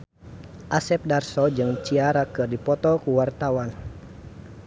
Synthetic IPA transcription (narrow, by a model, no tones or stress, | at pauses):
ʔasɛp̚darsɔd͡ʒɨŋt͡ʃiaɾakɨrdipɔt̪ɔkuwart̪awan